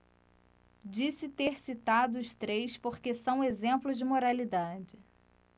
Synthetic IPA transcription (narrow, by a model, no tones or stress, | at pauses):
d͡ʒisɪt̪eɾsit̪ad̪ʊʊst̪ɾejspoɾkesɐ̃w̃ezẽmplʊzd͡ʒɪmoɾalid̪ad͡ʒɪ